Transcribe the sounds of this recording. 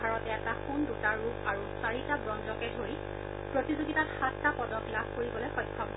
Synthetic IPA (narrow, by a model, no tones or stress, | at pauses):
aɹɔtɛɛtaxundutaɹːupaɹusaɹitabɹɔnzɔkɛdʱoɹi | pɹotizoɡitatxatːapɔdɔklabʱkoɹibɔlojxɔjtʰːɔb